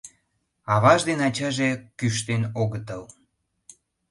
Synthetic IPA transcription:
ɑβɑʒd̪enɑt͡ɕɑʒekyʃ̬t̪enoɣət̪əl

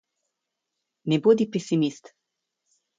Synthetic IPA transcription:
nɛboːd̪ipɛsimist̪

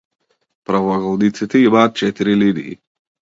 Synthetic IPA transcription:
pɾavaɣɔlnit̪sit̪ɛimaːt̪̚t͡ʃɛt̪iɾilid̪ḭː

